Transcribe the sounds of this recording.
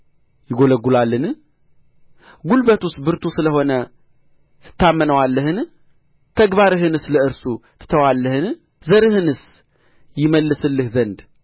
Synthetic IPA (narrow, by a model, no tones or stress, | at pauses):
jɪɡo̞ləɡːulalːɨn | ɡulbət̪ust̪̚bɨɾt̪ʰusɨləɦo̞nə | t̪ʰɨ̥t̪ʰːamːənəwalːəhɨn | t̪ʰəɡbaɾɨɦɨnɨsləɨɾsut̪ʰɨ̥t̪ʰəwalːəhɨn | zəɾɨɦɨnɨs | jɪməlːɨsɨlːɨhzənd̪